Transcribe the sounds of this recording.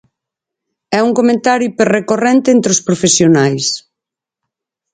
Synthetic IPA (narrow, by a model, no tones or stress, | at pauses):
ɛuŋkomẽnt̪aɾjuipeɾrekorent̪eent̪ɾeospɾofesjonajs